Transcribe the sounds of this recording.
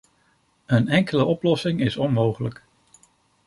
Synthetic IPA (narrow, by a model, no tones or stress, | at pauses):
ənɛŋkələʔɔplɔsɪŋɪsɔnmowχələk